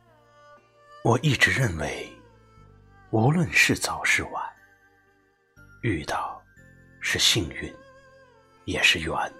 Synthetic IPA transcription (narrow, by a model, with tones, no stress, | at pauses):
wɔ˨˩ʔi˥˩ʈ͡ʂɻ̩˧˥ɻə˥˩nwe˧˥ɪ | u˧˥lwə˥˧nʂɻ̩˥˩t͡sɑ˨˩ʊʂɻ̩˥˩wa˧˩˦n | y˥˧t̪ɑ˥˩ʊ | ʂɻ̩˥˧ɕi˥˧ŋy˥˩n | jɛ˨˩ʂɻ̩˥˩jɛ̰˧˥˦n